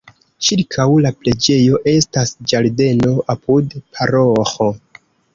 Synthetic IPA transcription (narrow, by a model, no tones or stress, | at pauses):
t͡ʃiɾkʰawlaple̞d͡ʒe̞jo̞ʔe̞stasd͡ʒaɾde̞no̞ʔapudpʰaɾoxo̞